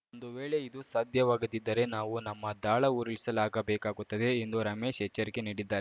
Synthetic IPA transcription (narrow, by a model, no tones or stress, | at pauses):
ond̪uʋeːɭe̞id̪usaːd̪ʱjɐʋaːɡud̪id̪ːɐɾe̞naːʋunɐmːɐd̪aːɭɐuɾiɭisɐlaːɡɐbɛːkaːɡut̪ːɐd̪e̞ːnd̪uɾɐmeːʃɛt͡ʃːɐɾikeniːɽid̪ːaːɾ